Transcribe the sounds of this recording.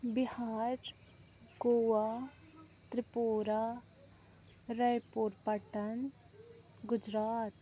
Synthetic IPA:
bɪhaːɾ | ɡoːaː | t̪ɾɪpoːɾaː | ɾəjpoɾpəʈən | ɡʊd͡ʒɾaːt̪

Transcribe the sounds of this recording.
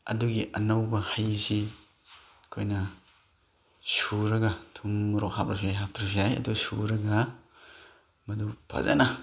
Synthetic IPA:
ɐ̰duɡiʔɐnawbɐhajsi | kʰojnɐ | suɾɐɡatʰumːuɾɔk̚hap̚ɾasiajɦap̚tʰɾasiajɐ̰duɡsṵɾɐɡa | mɐdupʰa̰za̰na

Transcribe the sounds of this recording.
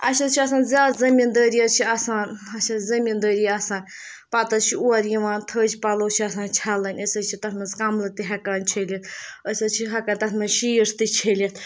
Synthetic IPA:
ɐʃʰɐt͡ʃʰiɐsaːnzʲaːd̪zɐmind̪əːɾijɐt͡ʃʰiɐsaːnɐt͡ʃʰɐzɐmind̪əːɾijɐsãːnʲ | pɐt̪ɐt͡ʃʰiuɐɾjiʋaːnt̪ʰəːd͡ʒpɐloːt͡ʃʰiɐsãːnt͡ʃʰɐlɐnʲəsət͡ʃʰit̪ɐt̪mɐzkɐmlɨt̪iɦɐkaːnʲt͡ʃʰelʲɐt̪̚əsʲɐt͡ʃʰiɦɐkant̪ɐt̪mɐʃiːɾst̪it͡ʃʰelʲɐt̪

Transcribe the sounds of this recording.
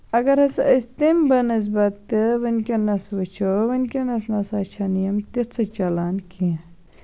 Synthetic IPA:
ɐɡɐɾɐsɐst̪imbɐnɐz̬bɐt̪ːɨʋɐnkʲenɐsʋɐt͡ʃʰoʋɐnkʲenɐsnɐsɐt͡ʃʰanijɐmt̪it͡sʰɐt͡ʃɐlaːnkʰĩ

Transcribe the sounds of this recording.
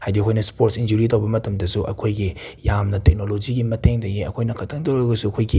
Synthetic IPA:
hajdikʰojnɐspoɾtsind͡ʒuɾit̬owbɐmɐtɐmdɐsuʔɐ̰kʰojɡijamnɐtek̚nolod͡ʒiɡimɐteŋdɐɡiɐ̰kʰojnɐkʰɐtʰɐŋtowɾɐɡɐsuɐkʰojɡi

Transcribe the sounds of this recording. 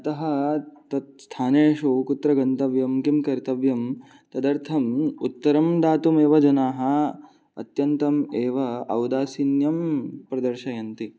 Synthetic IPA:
ɐt̪ɐɦɐt̪ɐt̪̚st̪ʰaːneːʂukut̪ɾɐɡɐnt̪ɐʋjɐmkimkɐɾt̪ɐʋjɐm | t̪ɐd̪ɐɾt̪ʰɐmut̪ːɐɾɐmd̪aːt̪umeːʋɐd͡ʒɐnaːɦɐ̆ | ɐ̰t̪jɐnt̪ɐmeːʋɐɐwd̪aːsinjɐmpɾɐd̪ɐɾʃɐjɐnt̪i

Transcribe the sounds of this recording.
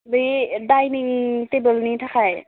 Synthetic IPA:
bɯjdajnitebəlnitʰakʰaj

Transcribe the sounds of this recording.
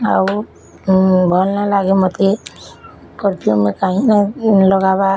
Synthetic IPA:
aw | bʱɔlnalaɡemɔt̪e | kɔɾt̪iomekaɦĩnalɔɡaβa

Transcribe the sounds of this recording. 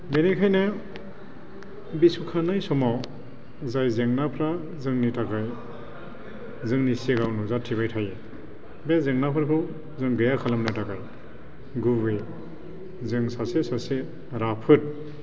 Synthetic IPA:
benikʰajna | bisukʰanajsɔmaw | zajzeŋnapʰɾa | zɯŋnitʰakaj | zɯŋnisiɡawnuzatʰiβajtʰaje | bezeŋnapʰɯɾkʰɯw | zɯŋɡɯjakʰalamnɯtakaj | ɡubɯj | zɯŋsasesase | ɾapʰɯt̚

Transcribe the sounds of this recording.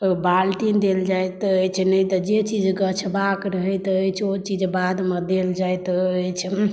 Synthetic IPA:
balʈind̪eld͡ʒajt̪əjt͡ʃʰnəjt̪ɔd͡ʒet͡ʃid͡ʒɡət͡ʃʰbakɾəɦət̪əjt͡ʃʰot͡ʃid͡ʒbad̪med̪eld͡ʒajt̪əjt͡ʃʰ

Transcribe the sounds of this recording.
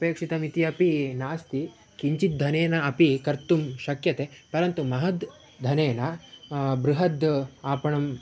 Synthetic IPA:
ɐpeːkʂit̪ɐmit̪iɐpinaːst̪i | kiɲt͡ʃit̪̚d̪ʱɐneːnɐɐpikɐɾt̪umʃɐkjɐt̪eːpɐɾɐnt̪umɐɦɐd̪ | d̪ʱɐneːnɐ | bɾuɦɐd̪aːpɐɳɐm

